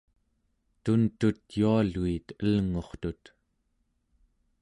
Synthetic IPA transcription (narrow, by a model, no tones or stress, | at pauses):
t̪unt̪ut̪jualuit̪əlŋo̞χt̪ut̪